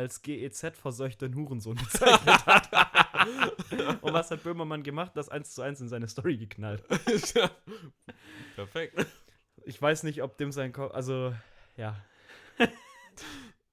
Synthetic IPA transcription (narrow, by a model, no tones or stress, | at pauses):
alsɡ̥eːeːt͡sɛtfɛɐzɔʏçtənhuːʁn̩zoːnɡət͡saɪçnəthat | ʔʊntv̥ashat̚b̥øːmɐmanɡəmaχtnd̥asʔa̰ɪnst͡suaɪnsɪnzaɪnəstɔʁiɡəkʰnalt | pʰɛɐfɛk̚t | ʔɪçv̥aɪsnɪçtɔp̚d̥eːmzaɪnkʰɔʔa̰lzojaː